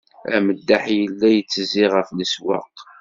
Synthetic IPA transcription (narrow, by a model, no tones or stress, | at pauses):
æ̰məd̪ːaħjəlːæjət͡sːəziʁəfliswɑ̰q